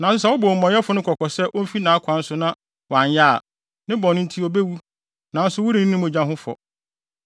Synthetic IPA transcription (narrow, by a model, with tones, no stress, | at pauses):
nã˨˦sʊ˦s̬ɛ˦wʊ˦boː˨mɔ̃˨˦ɛ˦fʊ˨nʊ̃˦kʰɔ˨kʰɔ˨sɛ˦ʔo˦m̩˦fi˦nã˨˦kʷʰã˨n̩˦sʊ˨nã˦ | wã˨ɲjaː˦˨ | nɪ̃˦bɔ˨nʊ̃˦n̩˦tʰi˦o˨be˦wu˦ | nã˨˦n˦sʊ˦wʊ˦ɾĩ˨nĩ˦nɪ̃˦mʊ̃˨d͡ʑã˦ɦʊ̃˦fɔ̰˨